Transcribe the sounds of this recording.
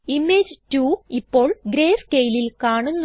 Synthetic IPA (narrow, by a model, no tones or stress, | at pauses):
imːeːd͡ʑtuːipːo̞ːɭɡɾeːfkejlilkaːɳunː